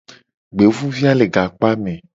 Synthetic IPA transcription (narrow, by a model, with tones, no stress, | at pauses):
ɡ͡be˨vu˦vi˦a˦le˨ɡa˨k͡pa˦mɛ̃˨